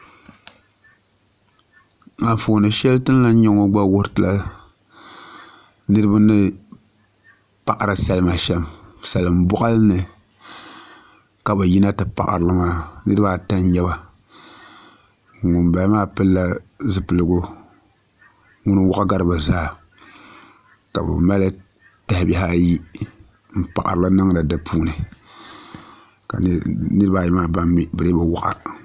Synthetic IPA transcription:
a˨fo˨nɨ˨ʃɛ˦ltɨ˦n˦la˦ɲɛ˦ŋo˦ɡ͡ba˦wo˦ɾtɨ˨la˦ | nɨ˦ɾɨ˦ba˦nɨ˦ | pa˨ʔa˨ɾɨ˨sa˦lɨ˦ma˨ʃɛ˦msa˨lɨ˨mbʊ˦ʔa˦lnɨ˨ | ka˨ba˨ji˦na˦tɨ˨pa̰˨ʔa̰˨ɾɨ˨lɨ˦maː˦nɨ˦ɾɨ˦ba˦˨ta˦n˦ɲɛ˦ba˨ | ŋʊ˨mba˨˦maː˦pɨ˦lːa˦zɨ˦pɨ˨lɨ˨ɡʊ˦ | ŋʊ˦nɨ˦wʊ˦ʔa˦ɡa˦ɾɨ˦ba˨zaː˦˨ | ka̰˨bɛ̰˨ma˦lɨ˦ | ta˨hɪ˨˦bɪ˦ɦa˦ji˦ | m̩˦˨pa̰˨ʔa̰˨ɾɨ˨la˦nɨ˦ŋ˦la˨da˨pʰuː˦nɨ˨ | ka̰˨˦nɨ˦ɾɨ˦ba˨jɛ˦maː˦˨ba˦mːɪ˨bɨ˨ɾe˦ba˨wʊ˦ʔa̰˦˨

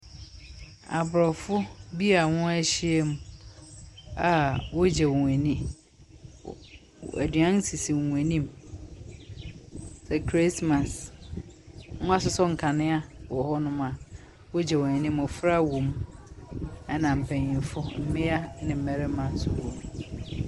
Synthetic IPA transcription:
a˨bʊ˨ɾɔ˨fʊ˦bi˦a˨ŋʊ̃˦æ˦ɕi˦ɛ˦m˨ | a˨wɔ˦d͡ʑɛ˨wɔ˨ɲ˨ɛ̃˨nĩ˦ | æ̰˨dɥã˦n˦si˨si˨ŋʷ˨ɛ̃˨nĩ˦m | sɛ˨kʰɾi˦sma˨s | ŋʊ̃˦a˦sʊ˦sɔ˦ŋ̩˨kʰa˨nɪ̃˦a˦wɔ˨hɔ˦nʊ̃˦ma˨ | wɔ˦d͡ʑɛ˨wɔ˨ɛ̃˨nĩ˦m˨ɔ˨fɾa˦wõ˨m | ɛ˦nã˨m̩˨pʰɛ̃˨ɲ˨ɪ̃˨fʊ˦m̩˦mɪ̃˦a˦nɪ̃˨m̩˨mɛ˨ɾɪ˦mã˨n˦˨sʊ˨wõ˨m

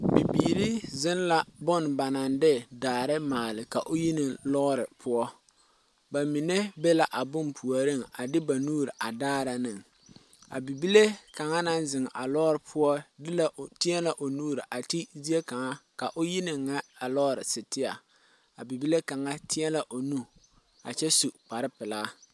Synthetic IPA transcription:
bi˨biː˨ɾi˦zɪ˦n˦la˨bʊ˦n˨ba˨na˨ndɪ˦daː˨ɾɪ˦maː˨lɪ˨ka˨ʔʊ˦ji˦nɪ˨lɔ˦ɣɾɪ˨pʰʊ˦ɔ˦ | ba˨mi˨ne˦bɛ˦la˦ʔa˨bʊ˦mpʰu˨a˨ɾɪ˦˨ŋa˨dɪ˦ba˨nuː˦ɾɨ˨ʔa˨daː˦ɾa˨nɨ˦˨ŋ | a̰˨bi˨bi˦le˦ka˨ŋa˦na˦n˦zɪ˨ŋ˨ʔa˨lɔ˦ɾɪ˨pʰʊ˦ɔ˦dɪ˦la˨ʔtɪ˦ɛ˦la˨ʔo˨nuː˦ɾɪ˨ʔa˨ti˦zi˦e˦ka˨ŋa˦ka˨ʔo˦ji˦nɪ˨ŋːa˦a˨lɔ˦ɾɪ˨sɪ˨tɪ˦a˨ | a˨bi˨bi˦le˦ka˨ŋa˦tʰɪ˦ɛ˦la˨ʔo˨nu˦ | a̰˨t͡ʃɛ˦su˨k͡pa˨ɾɪ˦pɪ˨la˦

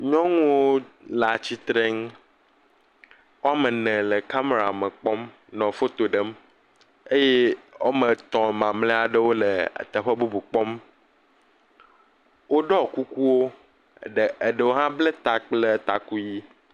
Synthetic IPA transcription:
ɲɔ̃˦ŋũ˦wo˦ | la˨t͡ɕi˦t̪ɾɛ˦ŋ˦ | wo˦a˦mə̃˨nɛ̃˨lə˨ka˦me˨ɾa˨mə̃˨k͡pɔ˦m | nɔ̃˨fo˦t̪o˨ɖə˦m | e˦je˦wo˦mə̃˨t̪ɔ̃˨mã˨mlɛ̃˦a˨ɖə˦wo˦lḛ˨t̪ə˨ɸə˦bu˦bu˨k͡pɔ˦m | wo˦ɖɔ˦˨ku˦ku˦wo˦ | ɖe˨ɖə˨wo˦ɦã˦ble˦t̪a˨k͡ple˦t̪a˨ku˦ji˦

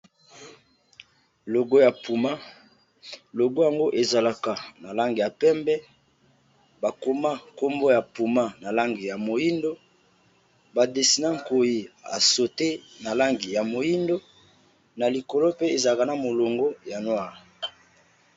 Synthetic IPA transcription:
lo˨ɡo˦ja˨pu˨ma˦ | lo˨ɡo˦ja˨ŋɡo˦ʔe˨za˨la˨ka˨na˨la˦ŋɡi˨ja˨pɛ˦mbɛ˦ | ba˨ko˨ma˦ko˦mbo˦ja˨pu˨ma˦na˨la˦ŋɡi˨ja˨mo˨ji˦ndo˦ | ba˨de˨si˨nã˦ŋ̩˨ko˨ji˨a̰˨so˨te˦na˨la˦ŋɡi˨ja˨mo˨ji˦ndo˦ | na˨li˨ko˨lo˦pe˦e˨za˨a˨ka˨na˨mo˨lo˨ŋɡo˦ja˨nwa˦˨

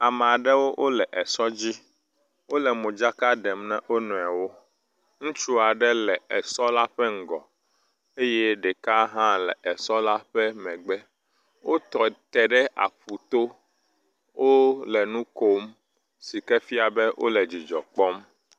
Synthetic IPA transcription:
a˨mɛ̃˨a˨ɖɛ˦wo˦ʔo˦lɛ˨ʔɛ˨sɔ˦d͡ʑi˦ | wo˦lɛ˨mõ˨d͡ʒa˦ka˦ɖɛ˨mnɛ̃˦ʔo˦nɔ̃˨a˨wo˦ | ŋũ˦t͡ʃu˦a˨ɖɛ˦lɛ˨ɛ˨sɔ˦la˦ɸɛ˦ŋ̩˦˨ɡɔ̰˨ | e˦jɛ˦ɖɛ˨ka˦ɦã˦lɛ̰˨ɛ˨sɔ˦la˦ɸɛ˦mɛ̃˨ɡ͡bɛ˦ | wo˦t̪ɔ˨t̪ɛ˨ɖɛ˦ʔa̰˨ɸu˨t̪o˦ | wo˦lɛ˨nũ˦ko˦m | si˨kɛ˦fi˦a˨bɛ˦wʔo̰˦lɛ˨d͡ʑi˨d͡ʒɔ̰˨k͡pɔ˦m

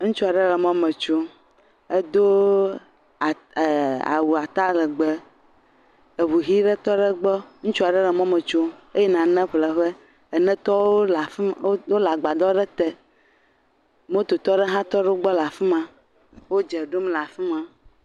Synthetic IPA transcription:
ŋũ˦t͡ʃu˦a˨ɖe˦lɛ˨mɔ̃˦mɛ̃˨t͡ʃo˦ | e˦d̪o˦˨ | a̰˨wu˨a˨t̪a˦lɛ˨ɡ͡be˨ | e˨βu˨ɦi˦ɖe˦t̪ɔ˦ɖe˦ɡ͡bɔ˦ŋũ˦t͡ʃu˦a˨ɖe˦le˨mɔ̃˦mɛ̃˨t͡ʃo˦e˦jɛ˦nã˨nɛ̃˦ɸlɛ˨ɸe˦ | e˨nɛ̃˦t̪ɔ˦wwo˦la˨fwo˦la˨ɡ͡ba˨d̪ɔ˦ɖe˦t̪e˦ | mõ˦t̪o˨t̪ɔ˦ɖe˦ɦã˦t̪ɔ˦ɖɛ˦o˦ɡ͡bɔ˦la˨fi˦mã˦ | wo˦d͡ʒɛ˨ɖo˦mla˨fi˦mã˦

